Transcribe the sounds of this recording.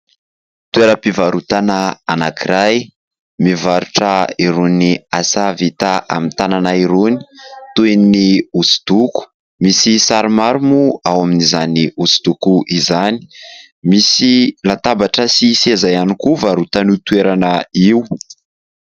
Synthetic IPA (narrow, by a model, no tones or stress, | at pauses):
t̪ueɾəpivaɾut̪anaanakiɾaj | mivaɾuʈ͡ʂəiɾuniasavit̪aʔa̰mit̪ananaiɾuni̥t̪ueniusu̥d̪̥uku̥ | misisaɾimaɾumuawaminizaniusu̥d̪̥ukuʔizani̥ | misilat̪abaʈ͡ʂəsisezajanikuvaɾut̪anut̪ueɾanaiw